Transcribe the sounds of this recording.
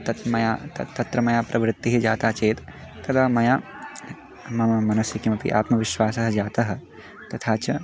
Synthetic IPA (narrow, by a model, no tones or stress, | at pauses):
t̪ɐt̪mɐjaːt̪ɐt̪ɐt̪ɾɐmɐjaːpɾɐʋɾɪt̪ːiɦid͡ʒaːt̪aːt͡ʃeːt̪t̪ɐd̪ɐmɐjaː | mɐmɐmɐnɐsjɐkimɐpḭʔa̰ːt̪mɐʋɪʃʋaːsɐɦɐd͡ʒaːt̪ɐɦɐ̆ | t̪ɐt̪ʰaːt͡ʃɐ